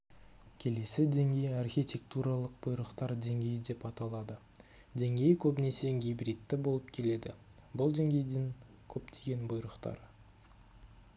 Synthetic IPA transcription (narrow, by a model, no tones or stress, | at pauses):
kʲʰe̞le̞sɪd̪e̞ŋɡʲe̞jɪarxʲijt̪ʲe̞k̚t̪uɾɑlˠəqb̥ʊjɾəqt̪ɑɾd̪e̞ŋɡʲe̞jɪd̪e̞pɑt̪ɑlˠɑd̪ə | d̪e̞ŋɡʲe̞jɪkʲʰɵbnese̞jŋɡʲijbɾit̪ːɪbo̞lˠəp̚kʲʰe̞le̞d̪ɪ | bʊlˠd̪e̞ŋɡʲe̞jd̪ɪŋ | kʲʰɵpt̪ʰe̞ɡʲe̞nbʊjɾəqt̪ɑ̰ɾ